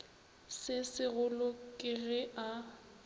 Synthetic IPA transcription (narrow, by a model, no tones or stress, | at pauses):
sɪsɪɣʊlʊkʼɪɣɛʔa